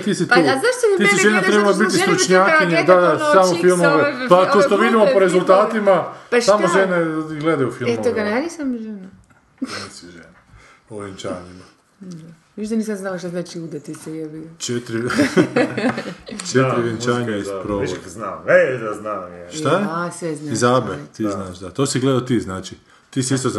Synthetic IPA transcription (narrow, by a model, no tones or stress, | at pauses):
t̪isit̪oznaʃt̪oisiʒenat̪ɾebalabit̪issɾut͡ʃɲaːkiɲed̪adsamofilˠmoʋepat̪oʃt̪oʋid̪imopoɾezulˠt̪aːt̪imapsamoʒenaiɡled̪ajufilemooɡananisamʒena | nesiʒena | oʋent͡ʃaːɲima | a | ʋiʃt̪aniːsamznalaʃ̬t̪aznaːt͡ʃiud̪at̪isɛaʋit͡ʃet̪ɾi | t͡ʃet̪ɾiʋent͡ʃaːɲaispɾoiznaːmed̪aznaːmeʃt̪ajesʋeznaizaːbet̪iznaːʃd̪at̪oːsiɡled̪aot̪iːznaːt͡ʃi | t̪iːsiist̪oz